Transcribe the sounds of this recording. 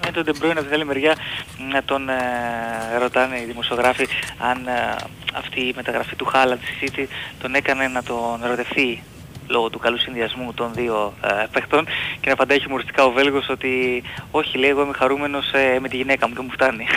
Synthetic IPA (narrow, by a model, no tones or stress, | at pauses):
ent̪oðebɾo̞inɐpt̪iɡɐalime̞ɾʝɐnɐt̪o̞n | ɾo̞t̪ɐneiðimo̞sio̞ɣɾɐfiɐn | ɐ̰ft̪iːme̞t̪ɐɣɾɐfit̪uxɐlɐnt̪isi̥zit̪it̪o̞ne̞kɐne̞nɐt̪o̞nɾo̞t̪e̞fθi | lo̞ɣo̞t̪ukɐlusinðiɐzmut̪o̞nðio̞pext̪o̞nce̞nɐpɐnd̪ɐçimoɾist̪ikɐo̞ve̞lɣo̞so̞t̪io̞çileɣoemexɐɾume̞no̞seme̞t̪iʝine̞kɐmuce̞muft̪ɐni